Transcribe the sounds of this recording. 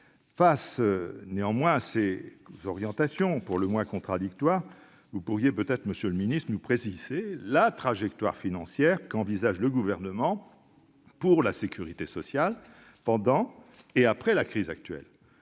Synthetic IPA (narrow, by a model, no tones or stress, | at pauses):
fasneɑ̃mwɛ̃asezɔʁjɑ̃t̪asjɔ̃puʁləmwɛ̃kɔ̃t̪χad̪ik̚t̪waʁ | vupuʁjepøt̪ɛt̪χməsjøləminist̪χnupχesiz̥elat̪χaʒɛkt̪wa̰ʁfinɑ̃sjɛʁkɑ̃vizaʒləɡuvɛʁnəmɑ̃ | puʁlasekʰʲyʁit̪esɔsjal | pɑ̃d̪ɑ̃eapχɛlakχizak̚t̪ɥɛ̰l